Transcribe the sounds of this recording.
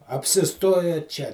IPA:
ɐpʲsʲɪˈstoːjɛ t͡ʃʲɛ

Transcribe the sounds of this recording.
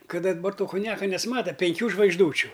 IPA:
ˈkɐt dɐˈbɐr ˈtoː kʊnʲˈjæːkɐ nʲɛsˈmɑːtɐ pʲɛŋʲˈkʲuː ʒʋɐɪɡʒˈduːt͡ʃʲʊ

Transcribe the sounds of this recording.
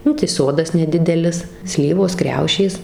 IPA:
ˈnʊ tɐɪ ˈsoːdɐs nʲɛˈdʲɪdʲɛlʲɪs ˈsʲlʲiːʋoːs ˈkrʲɛʊʃʲeːs

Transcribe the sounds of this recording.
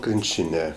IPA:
ˈkrʲɪnʲt͡ʃʲɪnʲɛ

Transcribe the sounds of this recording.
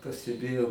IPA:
pɐsʲtʲɛˈbʲeːjɛʊ

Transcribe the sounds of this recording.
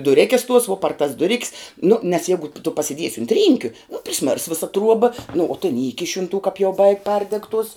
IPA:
dʊˈrʲeːkʲɛs tuɔs ʋuɔ pɐr tɐs dʊˈrʲɪkʲs nʊ nʲɛs ˈjɛɪɡʊ tʊ pɐsʲɪˈdʲiɛsʲɪ ʊnt ˈrʲiːŋʲkʲʊ nʊ pʲrʲɪˈsʲmʲɪrs ˈʋʲɪsɐ ˈtruɔbɐ nʊ oː tʲɪn ˈiːkʲɪʃʲ ʊn tuɔ kɐp jɛʊ bɐɪkʲ ˈpɐrʲdʲɛk tuɔs

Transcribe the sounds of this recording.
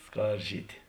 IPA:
ˈskɐrʲˌʒʲiːtʲɪ

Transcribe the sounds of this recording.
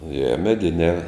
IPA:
jɛ mʲɛˈdʲɪnʲɛː

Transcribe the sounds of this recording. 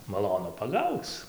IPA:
mɐˈlˠoːnʊ pɐˈɡɐʊt͡s

